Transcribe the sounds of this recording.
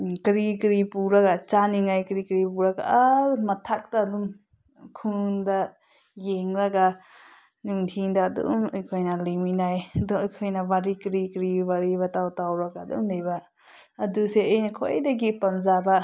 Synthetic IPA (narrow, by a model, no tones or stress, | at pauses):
kɾikɾipuɾaɡat͡ʃaniŋajkɾikɾipuɾaɡa̰amɐtʰak̚taːdum | kʰuŋda | jeŋɾaɡa | nuŋtʰiŋdɐːdṵmajkʰojnɐliminajɐdɔɐjkʰojnɐbaɾikɾikɾibaɾibɐtawtawɾaɡaːdṵmlejba | ɐduseejnɐkʰojdɐɡipɐmzabɐ